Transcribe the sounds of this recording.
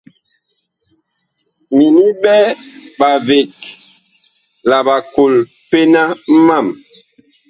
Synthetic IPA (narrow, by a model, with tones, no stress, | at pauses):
mi˨ni˦bɛ˦ba˨ve˨k | la˨ɓa˨ko˨l | pe˦na˦ma˦˨m